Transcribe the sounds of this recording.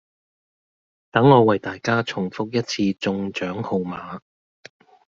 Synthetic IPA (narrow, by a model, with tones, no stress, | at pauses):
t̪ɐ˨˥ŋːɔː˨˧wɐ˨˩jt̪aː˨jkaː˥t͡sʰʊ˨˩ŋfʊ˥k̚jɐ˥t̚t͡sʰiː˧t͡sʊ˧ŋt͡ʃœː˨˥ŋho˧wmaː˨˧